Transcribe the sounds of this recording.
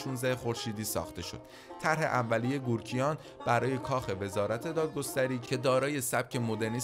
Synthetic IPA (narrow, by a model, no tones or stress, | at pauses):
ʃuːnzæhexo̞ɾʃiːd̪iːsɒ̰ːxt̪e̞ʃo̞̰d̪̥ | t̪ʰæɾɦe̞̰ʔævːælije̞ɡuːɾcʰijɒːn | b̥æɾɒːje̞kʰɒːxe̞ve̞zɒːɾæt̪ʰe̞d̪ɒːd̪̚ɡo̞st̪æɾiːcʰe̞d̪ɒːɾɒːjesæb̥̚cʰe̞mo̞d̪e̞ɾniː